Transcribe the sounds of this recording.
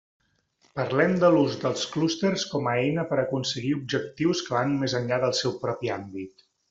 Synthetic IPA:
pəɾlɛmd̪əluzd̪əlˠsklust̪ərskɔməɛjnəpəɾəkunsəɣiub̚ʒək̚t̪iwskəβanmezənʎaðəlˠsɛwpɾɔpiambit̪

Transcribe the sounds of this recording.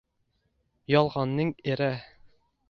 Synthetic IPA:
jɒlˠʁɑnːɤɴɘɾæ

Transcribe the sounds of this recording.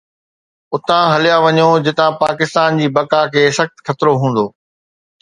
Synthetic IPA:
ʊt̪ãɦɐlijaʋɐɲod͡ʑɪt̪ãpaːkɪst̪aːnd͡ʑiːbɐkakʰeːsɐxt̪xɐt̪ɾoɦũːn̆d̪oː

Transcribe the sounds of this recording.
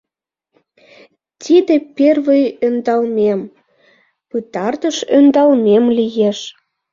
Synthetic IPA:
t̪ʲid̪epervəjønd̪ɑlmem | pɨt̪ɑrt̪əʃønd̪ɑlmemlijeʃ

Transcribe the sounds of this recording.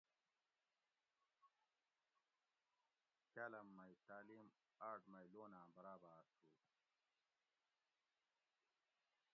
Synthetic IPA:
kɐlɐmːɐjt̪aːlim | aːʈmɐjloːnaːbɐɾaːbaːsuː

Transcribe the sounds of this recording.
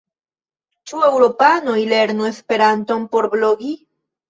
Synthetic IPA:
t͡ʃuewɾo̞pano̞jle̞ɾnue̞spe̞ɾanto̞npo̞ɾblo̞ɡi

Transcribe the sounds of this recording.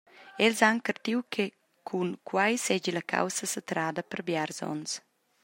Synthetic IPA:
ɛlzaŋkərt̪iwkʰe | kʰunkʰwajsɛd͡ʒilakʰa̰wsəsat̪ɾaːd̪əpərbjarzɔ̰ns

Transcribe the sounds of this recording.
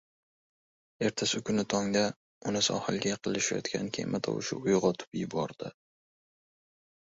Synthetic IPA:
e̞ɾt̪ʰasɪkʰʊnɪt̪ʰɒŋd̪a | ʊnɪsɒ̰halˠɡʲajɑqʰɨlɪʃajɒ̰t̪kʲa̰nkʲʰḛmʔat̪ʰɒ̰wʊ̰ʃɪ̰ʊjʁɒt̪ʰʊ̥pɪɪbɒɾd̪̥ɪ

